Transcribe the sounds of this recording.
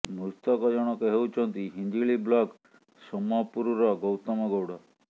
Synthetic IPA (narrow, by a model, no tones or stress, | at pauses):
must̪ɔkɔd͡ʒɔɽ̃ɔkeɦewt͡ʃʰɔnt̪iɦind̪iɭiblɔk | sɔmɔpuɾuɾɔɡɔwt̪ɔmɔɡɔwɽɔ